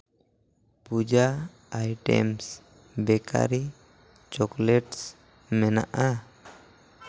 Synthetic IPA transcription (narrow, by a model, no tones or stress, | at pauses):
pud͡ʒaː | jʈɛ̰ms | bɛkʰa̰ɾi | t͡ʃɔklɛʈs | mɛna̰ʔa